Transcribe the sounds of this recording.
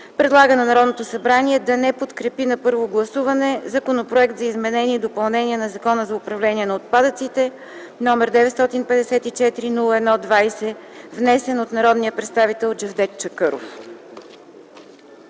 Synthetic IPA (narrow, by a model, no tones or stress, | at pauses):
pɾɛd̪lˠaɡənɐnɐɾɔd̪not̪osɐbɾaniɛd̪ɐnɛpot̪kɾɛpinɐpɤɾvoɡlˠɐsuvɐnɛzɐkonopɾoɛk̚t̪zɐizmɛnɛniɛd̪opɐlˠnɛniɛnɐzɐkɔnəzɐʊpɾɐvlɛniɛnɐot̪̚pad̪ət̪sit̪ɛ | nɔmɛɾd̪ɛvɛt̪st̪ɔt̪inpɛd̪ɛsɛt̪it͡ʃɛt̪iɾinulˠəɛd̪nɔd̪vajsɛvnɛsɛnot̪nɐɾɔd̪nijəpɾɛt̪st̪avit̪ɛlˠd͡ʒɛvd̪ɛt̪t͡ʃəkɤɾo̰f